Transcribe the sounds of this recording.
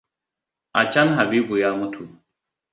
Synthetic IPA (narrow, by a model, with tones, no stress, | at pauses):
a˨t͡ʃa˦nɦa˨bi˦bu˨jaː˦mu˦tʰu˨